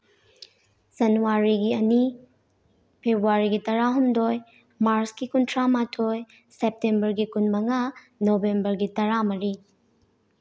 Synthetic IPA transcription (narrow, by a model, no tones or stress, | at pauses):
zɐnuwaɾiɡiɐni | pʰebʱwaɾiɡitɐɾaɦumdoj | maɾsɡikuntʰɾamatʰoj | sep̚tembɐɾɡikunmɐŋa | nobembɐɾɡitɐɾamɐɾi